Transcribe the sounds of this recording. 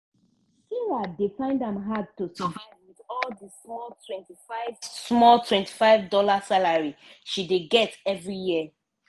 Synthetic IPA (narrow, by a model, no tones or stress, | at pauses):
kiladefãɪ̃ndãmɦad̚tusəvaɪwiðɔldəsmɔltʰwɛ̃ntifaɪvsmɔltʰwɛ̃ntʰi̥faɪvdɔlasalaɹiʃideɡɛtɛvɹijiə